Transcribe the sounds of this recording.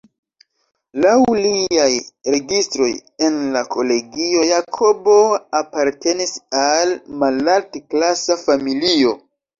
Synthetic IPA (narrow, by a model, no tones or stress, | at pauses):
lawliajɾe̞ɡistɾo̞je̞nlakʰo̞le̞ɡio̞jakʰo̞bo̞apaɾtʰe̞nisalmalaltklasafamilio̞